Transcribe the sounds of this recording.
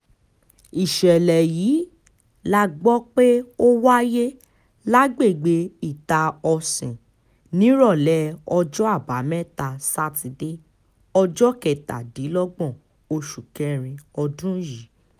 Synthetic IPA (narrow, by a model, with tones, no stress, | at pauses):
i˨ʃɛ˨lɛ˨jiː˨˦ | la˦ɡ͡bɔ˦k͡pe˦o˦wa˦je˦ | la˦ɡ͡be˦˨ɡ͡be˧i˨ta˨ɔ˧sĩ˨ | nĩ˨˦ɾɔ˦˨lɛ˨˦ɔ˧d͡ʒɔ˦a˦˨ba˨˦mɛ̃˦ta˧sa˦ti˧de˦ | ɔ˧d͡ʒɔ˦kɛ˨ta̰˨di˨˦lɔ˦ɡ͡bɔ̃˦˨ | o˧ʃu˨kɛ̃˧˦ɾ̃ĩ˧ɔ˧dũ˦ji˨˦